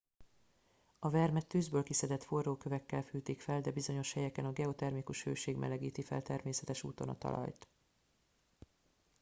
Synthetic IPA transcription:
ɒvɛrmɛt̪ːyːzbøːlkisɛd̪ɛt̪fo̞rːoːkøvɛkːɛlfyːt̪iːkfɛld̪ɛbizo̞ɲo̞ʃhɛjɛkɛnɒɡɛo̞t̪ɛrmikuʃhøːʃeːɡmɛ̰lɛɡiːt̪ifɛ̰lt̪ɛrmeːsɛt̪ɛʃṵːt̪o̞̰nɒ̰t̪ɒ̰lɒ̰jt̪

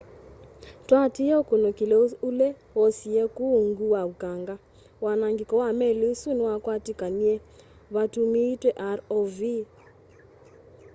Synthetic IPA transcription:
twatiɔkonokilɛulɛ | wɔsiɛkuŋɡuwaukaŋɡa | wanaŋɡikɔwamɛliusuniwakwatikaniɛ | βatumiːtwɛʔaɾɔvi

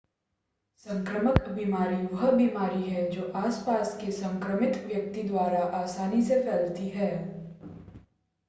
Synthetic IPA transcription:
sɐ̃ŋkɾəməkbiːmaːɾiʋɐɦbiːmaːɾiɦɛd͡ʒoːʔaːspaːskesɐ̃ŋkɾəmɪt̪ʋjɐk̚t̪id̪waːɾaʔaːsaːnisefʰɛːlt̪iɦɛː

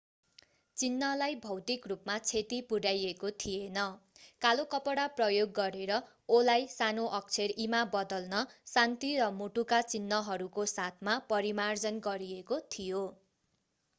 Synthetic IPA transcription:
t͡sinːʌlajbʱʌwt̪ikrupmat͡sʰet̪ipuɽajekot̪ʰijenʌkalokʌpʌɽaprʌjoɡːʌɾeɾʌ | olajsanoʔʌk̚t͡sʰerimabʌd̪ʌlnʌsant̪irʌmoʈukat͡sinːʌɦʌɾukosat̪ʰmapʌɾimard͡zʌnɡʌɾiekot̪ʰijo

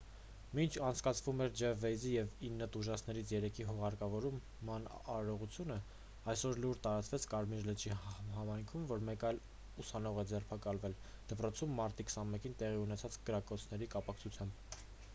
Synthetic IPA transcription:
mint͡ʃʰɑnt͡sʰkɑt͡sʰvumɛɾd͡ʒɛvɛjzijɛvinːət̪uʒɑt͡sʰn̪ɛɾit͡sʰjɛɾɛkʰiɦɔʁɑɾkɑvɔɾumːɑnɑɾɔʁut͡sʰjunə | ɑjsɔɾluɾt̪ɑɾɑt͡svɛt͡sʰkɑɾmiɾlət͡ʃihɑmɑjŋkʰumvɔɾmɛkɑjl | usɑnɔʁɛd͡zɛrpʰɑkɑlvɛl | d̪̥əpɾɔt͡sʰumːɑɾt̪ikʰə̥sɑnmɛkint̪ɛʁiunɛt͡sʰɑt͡skəɾɑkɔt͡sʰnɛɾikɑpɑkt͡sʰut͡sʰjɑmb

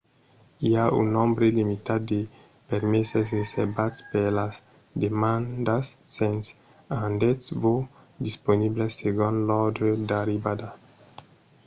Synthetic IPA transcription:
iaṵnõmbɾelimit̪ad̪̚d̪e | peɾmesasreseɾbat̪spelas | d̪emãnd̪asːẽns | ãnd̪et̪svo | d̪isponiblesːeɡõnlɔd̪ɾed̪aɾibad̪a

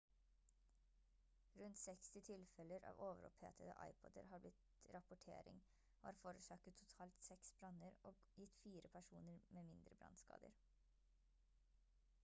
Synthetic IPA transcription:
ɾʉnt̪sɛkst̪ɪt̪ʰɪlfɛləɾʔɑ̰ːʋoːʋəɾɔ̰phḛːt̪ʰəd̪ə̰ʔɑ̰ɪpʰɔd̪ə̰ɾhɑːɾblɪt̪ | ɾɑpʊʈʰḛːɾɪ̰ŋ | oːhɑːɾfoːɾəsɑːkət̪ʰʊt̪ʰɑːlt̪sɛksbɾɑnəɾoː | jɪt̪ːfiːɾəpʰæʂuːnəɾmeːmɪnd̪ɾəbɾɑ̰nskɑ̰ːd̪ə̰ɾ

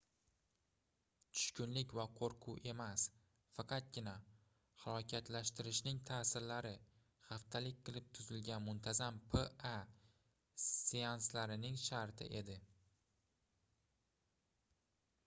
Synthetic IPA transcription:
t͡ʃ̪ʰʊ̥ʃkʊnlɪkʲvaqʰoɾqʰʊʔe̞mas | fɑqʰɑt̪̚ɡʲɪna | hɑlˠɒkʲʰat̪laʃt̪ɪɾɪʃnɪŋt̪ʰaːsɪɾlaɾɪ | χaft̪ʰalɪk̚ʲqʰɨlˠɪp̚t̪ʰʊzɪlɡʲanmʊnt̪ʰazampʰea | sianslaɾɪnɪŋʃaɾt̪ʰɪ̰ʔe̞d̪ɪ

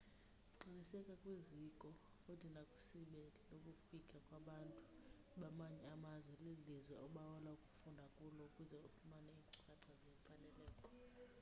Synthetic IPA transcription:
ǀinisɛkʼakʼwizikʼɔ | futʰinakʼu̥siɓelinokʼufikʼakʼwaɓantʼu̥ | ɓamaɲɛamazwɛlilizwɛɔɓawɔlaukʼu̥fundʱakʼulɔukʼuzɛufumanɛiːŋǀʼukʼaǀazepʰalɛlɛːkʼɔ̥

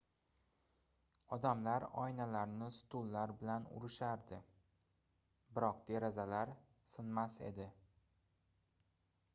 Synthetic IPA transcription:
ɒd̪amlaɾɒ̰jnalaɾnɪsʊ̥t̪ʰʊlːaɾbɪlanʊ̰ɾɪʃaɾd̪ɪ | bɪɾɒq̚d̪eɾazalaɾ | sɪnmase̞̰d̪ɪ

